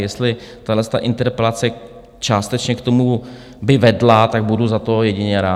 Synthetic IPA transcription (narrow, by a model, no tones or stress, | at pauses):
jɛst̪lɪt̪aɦlɛst̪a̰ʔɪnt̪ɛɾpɛlat͡sɛ | t͡ʃaːst̪ɛt͡ʃɲɛkt̪o̞mu | bɪvɛdlat̪aɡ̚buduzat̪ojɛɟɪɲɛɾaː